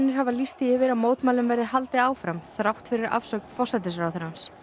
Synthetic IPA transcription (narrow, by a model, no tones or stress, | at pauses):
nːɪɾ̥havalist̪ɪɪvɪɾawmoːwt̪maːlʏmvɛɾðɪɦalt̪ɪaːwfɾamθɾawht̪fɪɾɪɾa̰fsœːk̪fɔsat̪̬ɪs̬ɾawθʏɾans